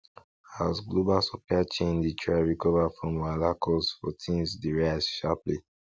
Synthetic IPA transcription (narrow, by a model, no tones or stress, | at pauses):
asɡlobalsɔplat͡ʃẽnditʰɹaɹikɔvafɹɔ̃mwalakʰɔsfɔ̰tʰĩnsdiɹaɪsʃaplḭ